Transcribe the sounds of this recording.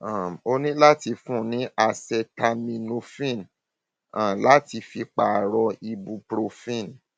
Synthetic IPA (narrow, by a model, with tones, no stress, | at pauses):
ã˨o˧nĩ˦la˦ti˧fũ˦˨nĩ˨˦a˧sɛ˧ta˧mĩ˧no˧fĩ˦˨n | ã˦˨la˦ti˧fi˧k͡pa˧˨ɾɔ˧i˧bu˧pɾo˧fĩ˦˨n